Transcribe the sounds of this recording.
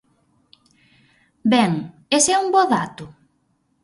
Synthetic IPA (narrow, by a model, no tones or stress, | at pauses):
bɛŋ | esɛuŋbɔðat̪ʊ